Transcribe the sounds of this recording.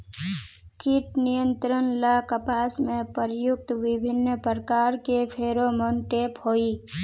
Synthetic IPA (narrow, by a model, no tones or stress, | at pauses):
kiʈnijə̃nt̪ɾənlakəpaːsmẽpəɾjʊk̚t̪wɪbʱɪnːəpəɾəkaːɾkepʰeːɾoməɳʈeːphoːi